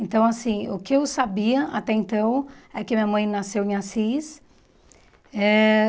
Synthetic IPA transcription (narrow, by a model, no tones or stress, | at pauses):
ẽnt̪ɐ̃w̃asĩʊkɪewsabiɐʔat̪ɛẽnt̪ɐ̃w̃ɛkɪamĩɲɐmɐ̃j̃nasewẽasis | ɛ